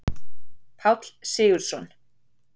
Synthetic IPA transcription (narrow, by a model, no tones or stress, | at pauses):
pʰawt̪lsɪːɣʏɾ̥sɔn